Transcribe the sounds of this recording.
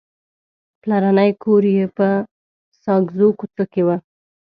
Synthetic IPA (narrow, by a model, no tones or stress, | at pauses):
plaɾanəjkʰoɾjepə | sɑɡzokut͡sokewa